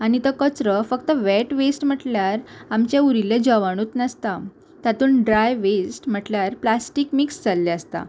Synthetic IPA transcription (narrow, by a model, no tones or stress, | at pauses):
añit̪əkət͡sɾəfəkt̪əʋɛʈʋesʈm̤əʈljaɾamt͡ɕeuɾiled͡ʑɔʋaɽ̃uːt̪nəst̪a | t̪at̪uːnɖɾajʋesʈm̤əʈljaɾplasʈikmiksd͡zalːeəst̪a̰